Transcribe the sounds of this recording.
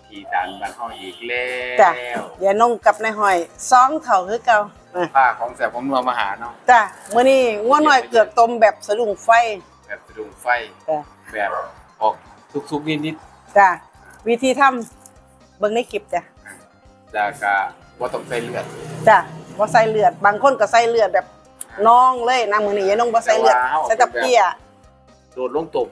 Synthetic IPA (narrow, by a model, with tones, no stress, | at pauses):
t̪ʰiː˨˩da̰ː˨˩nbaː˧˩nhɔ˧˩ʔiː˨˩k̚lɛː˧t͡ɕa˧˩wjaː˧˩no˧˥˨ŋka˧˩p̚na˧˩jɦɔ˧˩jsɔː˧˥ŋt̪ʰa˨˩wkʰɯː˧˥˦ka˧w | a˧˩pʰaː˧˩kʰɔː˨˦ŋsɛː˧˩p̚kʰɔ˧˦mnu˧əmaː˧ha̰ː˨˦nɔ˧˩t͡ɕa˧˩mɯ˧˨niː˧˩˨ŋu˧˩ənɔː˧˩jkɯ˨˩ək̚t̪o˧mbɛː˨˩p̚sa˧du˨˩ŋfa˧˥˨j | bɛː˨˩p̚sa˧du˨˩ŋfa˧˩jt͡ɕa˧˩ | bɛː˨˩p̚ | hɔː˨˩k̚ | t̪ʰu˧˩k̚t̪ʰu˧k̚niː˧˩ni˧˦t̪̚ | t͡ɕa˧˩ | wi˧˩t̪ʰiː˧t̪ʰa˧˥˨m | bɤ˧˨ŋna˧˩˨ke˨˧˩p̚t͡ɕa˧˩˧ | taː˧˩ka˧˩ | bɔː˧˦t̪ɔ˧˩ŋsa˧˩jlɯ˧˩ət̪̚t͡ɕa˧˩bɔː˧˦sa˧˩jlɯ˧˩ət̪̚baː˧˩˨ŋkʰo˧˥˨nka˧˩sa˧˥˨jlɯ˧˩ət̪̚bɛː˨˩p̚ | nɔː˧˥˩ŋlɤː˧˥˨jnaː˧˥˨mɯː˧˨niː˧˩ja˧˦nɔː˧˥˨bɔː˧˦sa˧jlɯ˧ət̪̚a˧˨t̪a˧p̚i˧ɐa˨ | doː˨˩t̪̚lo˧˥˨ŋt̪o˨˧˩m